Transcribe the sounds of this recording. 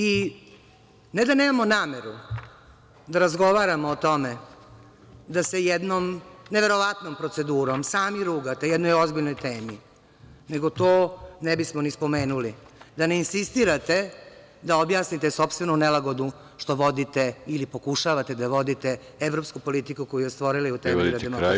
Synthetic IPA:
i | ned̪aneːmamo̞naːmeɾu | d̪aɾazɡo̞ʋaɾamoːt̪o̞me | d̪asejɛd̪nomneʋe̞ɾo̞ʋat̪no̞mpɾo̞t̪se̞d̪uːɾo̞msaːmiɾuɡat̪ajɛd̪nojozbiʎno̞jt̪eːmi | neɡo̞t̪oːnebismonispo̞me̞ːnulid̪aneinsist̪iɾat̪e̞ | d̪aobjaːsnit̪esopst̪ʋe̞nunelaɡod̪u | ʃt̪o̞ʋo̞d̪it̪eilipokuʃaʋat̪e̞d̪aʋo̞d̪it̪e | eʋɾo̞pskupo̞lit̪ikukojujest̪ʋo̞ɾilaiut̪eɾadd̪emo

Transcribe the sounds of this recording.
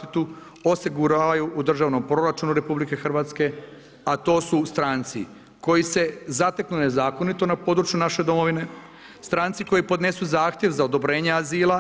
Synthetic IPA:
t̪it̪u | o̞siɡuɾaːʋajuʔud̪r̩ʒaːʋno̞mpɾo̞ɾat͡ʃunuɾe̞publike̞xr̩ʋat̪ske̞ | at̪o̞ːsust̪ɾaːnt̪sḭ | ko̞jise̞zat̪eknune̞zaːko̞nit̪o̞napo̞ːd̪ɾut͡ʃjunaʃe̞d̪o̞mo̞ʋine̞ | st̪ɾaːnt̪siko̞jipo̞d̪ne̞suzaːxt̪ʲjeʋzaod̪o̞bɾe̞ːɲeaziːlˠa

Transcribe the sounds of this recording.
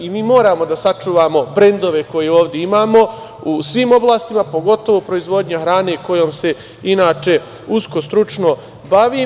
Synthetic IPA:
imiːmo̞ːɾaːmo̞d̪asat͡ʃuːʋaːmo̞bɾe̞nd̪o̞ʋe̞ko̞jeoːʋd̪jeimaːmo̞ | usʋimo̞blaːst̪imapo̞ɡo̞t̪o̞ʋopɾo̞izʋo̞d̪ɲaxɾaːne̞ko̞joːmse̞ | inaːt͡ʃe̞ | usko̞st̪ɾut͡ʃno̞ | baʋiː

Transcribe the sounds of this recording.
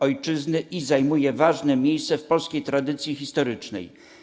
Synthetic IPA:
ɔjt͡ʂɘznɘʔizajmujɛvaʐnɛmʲejst̪sɛfpɔlskʲejt̪ɾad̪ɘt̪sʲjixʲist̪ɔɾɘt͡ʂnɛ̰j

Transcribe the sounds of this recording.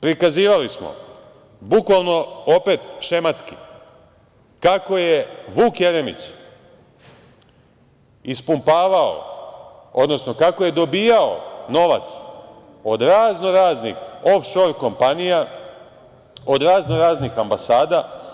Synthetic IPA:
pɾikaziːʋalismo̰ | bukʋalˠno̞o̞pe̞t̪ʃemat̪ski̥ | kako̞jeʋuːkjeɾemḭt͡ʃ | ispumpaːʋao̰ | o̞̰d̪no̞sno̞kako̞je̞d̪o̞biːjao̞̰no̞ʋa̰t̪s | o̞d̪ɾaːzno̞ɾaːznḭxo̞fʃo̞ɾko̞mpanija | o̞d̪ɾaːznoɾaːznixambasaːd̪a

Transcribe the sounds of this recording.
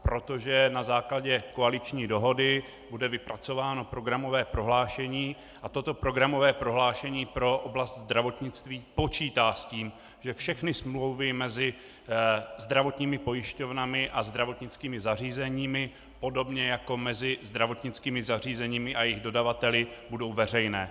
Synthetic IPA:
pɾo̞t̪o̞ʒɛnazaːklaɟɛko̞alɪt͡ʃɲiːdo̞ɦo̞dɪ | budɛvɪpɾat͡so̞vaːno̞pɾo̞ɡɾamo̞vɛːpɾo̞ɦlaːʃɛɲiː | ʔat̪o̞t̪o̞pɾo̞ɡɾamo̞vɛːpɾo̞ɦlaːʃɛɲiːpɾo̞ʔoblast̪zd̪ɾavo̞t̪ɲɪt͡st̪viːpo̞t͡ʃiːt̪aːsciːm | ʒ̥ɛfʃɛxnɪsmlowvɪmɛzɪ | zd̪ɾavo̞t̪ɲiːmɪpo̞jɪʃco̞vnamɪʔazd̪ɾavo̞t̪ɲɪt͡skiːmɪzar̝iːzɛɲiːmɪ | po̞do̞bɲɛjako̞mɛzɪzd̪ɾavo̞t̪ɲɪt͡skiːmɪzar̝iːzɛɲiːmɪʔajɪɣdo̞davat̪ɛlɪbudo̞wvɛr̝ɛjnɛː

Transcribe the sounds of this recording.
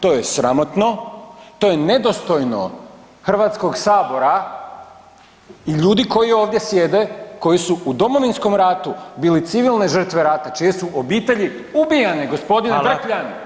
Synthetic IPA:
t̪o̞ːje̞sɾamo̞t̪no̞t̪o̞je̞ne̞d̪o̞st̪o̞jno̞̰ | xr̩ʋaːt̪sko̞ɡsaːbo̞ɾa | iʎuːd̪iko̞jio̞ːʋd̪je̞sje̞d̪e̞ko̞jisuud̪o̞mo̞ʋinsko̞mɾaːt̪ubiːlit̪siʋilˠne̞ʒər̩t̪ʋe̞ɾat̪at͡ʃije̞suʔobiːt̪e̞ʎi | ubijaneɡo̞spo̞d̪inpkʎan

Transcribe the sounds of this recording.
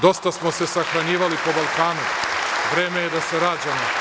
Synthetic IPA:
d̪o̞st̪asmo̞se̞saxɾaɲiːʋalipo̞balˠkaːnuʋɾe̞ːme̞jed̪aseɾaːd͡ʑamo

